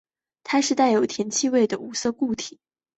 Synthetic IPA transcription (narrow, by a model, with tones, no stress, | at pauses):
t̪ʰa˥ʂɻ̩˧˥˧t̪a˥˩ɪjo˨˩ʊt̪ʰjɛ˧˥nt͡ɕʰi˥˧we˥˩ɪd̪ə˩u˧˥sɤ˥˧ku˥˩t̪ʰi˨˩˦